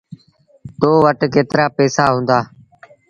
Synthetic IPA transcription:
t̪oːʋəʈkeːt̪ɾaːpɛːsaːɦũːnd̪aː

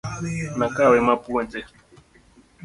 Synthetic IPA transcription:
nakawemapuente

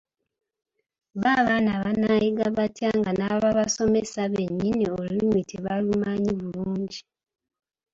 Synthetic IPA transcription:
βaβaːnaβanajiɡaβatjaːŋɡanaβaβaso̞mesaβe̞ɲːiniolimitʰiβalumaɲiβuluːɲɟi

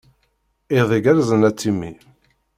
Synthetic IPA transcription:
iðˤiɡæɾzənæt͡sːimːi

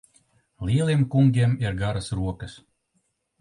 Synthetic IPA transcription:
lʲiɛlˠiɛmkuŋɡʲiɛmiɾɡaɾɐsɾuɔkəs

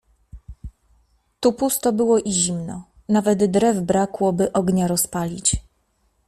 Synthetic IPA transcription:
t̪upust̪ɔbɘwɔʔiʑimnɔ | navɛd̪d̪ɾɛvbɾakwɔbɘʔɔɡɲaɾɔspalʲit͡ɕ

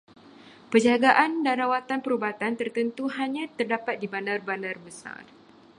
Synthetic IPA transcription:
pəd͡ʒaɡaʔandanɾawat̪anpəɾubat̪ant̪ərt̪ənt̪uɦaɲãt̪ərdapat̪̚dibanarbanarbəsa̰r

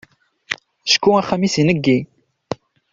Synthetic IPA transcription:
ʃkːuæχːæmisinəɡːi

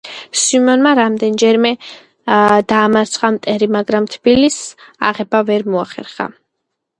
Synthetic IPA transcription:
sumɔnmaɾamd̪ɛnd͡ʒɛɾmɛ | d̪aːmaɾt̪sʰχamt̪ʼɛɾimaɡɾamt̪ʰb̥ilisa̰ʁɛbavɛɾmɔaχɛ̰ɾχa̰

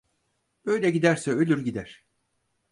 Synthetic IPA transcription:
b̥ø̞jlʲɛɟid̪æɾsɛølʲyɾɟid̪æɾ̥

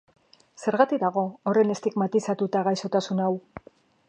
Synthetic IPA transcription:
se̞ɾɣat̪ik̚d̪aɣ̞o̞ore̞ne̞st̪ikmat̪isat̪ut̪aɣajso̞t̪asunaw

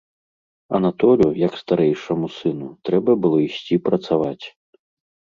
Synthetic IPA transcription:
ɐ̰nat̪ɔlʲujɐkst̪aɾɛjʂɐmusɨnut̪ɾɛbɐbɨlˠɔisʲt͡sʲipɾɐt̪savat͡sʲ

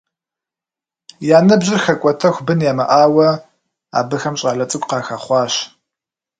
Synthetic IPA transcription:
jaːnɨbʑɪrxɐkʷʼɔtʰɐxʷbɨnjaːmɐʔaːwɐ | a̰ːbɨxɐmɕʼaːɮɐt͡sʼɨkʷʼqɑːxaːχʷɑːɕ

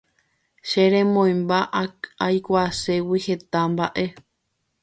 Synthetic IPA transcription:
ʃeɾẽ̞mõj̃mbaʔaajkʷase̞wihe̞t̪ambaʔe̞

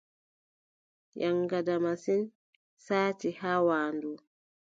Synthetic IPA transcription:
jʔaŋɡadamasin | saːt͡ʃihawaːndu

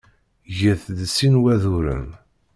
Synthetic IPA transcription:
ʝəθðsːinwæðuɾə̰n

